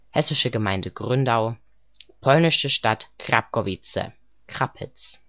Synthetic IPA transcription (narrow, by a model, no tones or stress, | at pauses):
hɛsɪʃəɡəmaɪndəɡʁʏndaʊ | pʰɔlnɪʃəʃtatkʁa̰p̚kovit͡sə̰ | kʁ̥apʰɪ̰t͡s